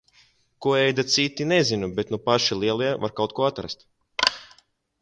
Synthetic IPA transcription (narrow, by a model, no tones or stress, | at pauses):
kuɔɛjd̪at̪sit̪inezinubet̪nupaʃilˠiɛlˠiɛvaɾkawt̪̚kuɔat̪ɾa̰st̪